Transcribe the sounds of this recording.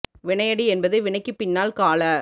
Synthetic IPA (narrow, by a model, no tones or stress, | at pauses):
ʋɪɳɐɪjɐɽiɛnbɐðɐʋɪɳɐɪkːɯpɪnːaːlkaːlɐ